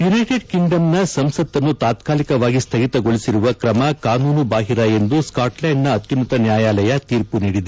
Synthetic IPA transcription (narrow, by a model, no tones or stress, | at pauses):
junɐjʈeɖkiŋɡɖɐmnɐsɐmsɐt̪ːɐnːut̪aːt̪kaːlikɐʋaːɡist̪ʰɐɡit̪ɐɡoɭisiɾuʋɐkɾɐmɐkaːnuːnubaːɦiɾɐje̞nd̪uskaːʈlɐjnːɐːt̪junɐt̪ɐnjaːjaːlɐjɐt̪iːɾpuniːɽid̪e